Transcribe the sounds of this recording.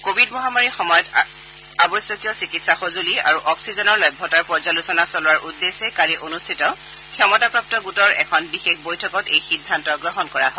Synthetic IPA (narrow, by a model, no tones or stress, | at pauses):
kobʱidmɔɦamaɹixɔmɔjɔt | abɔjsjɔkijɔsikitsaxozulia̰ɹuʔɔksizɔnɔɹlɔjbʱɔtaɹpɔɹzalusɔnasɔlʊwaɹʔudːesɛkaliʔonustʰitɔ | kʰjɔmɔtapɹɔp̚tɔɡutɔɹɛ̰kʰɔnbixexbojtʰɔkɔtejxidʱːantɔɡɹɔɦɔnkɔɹaɦɔ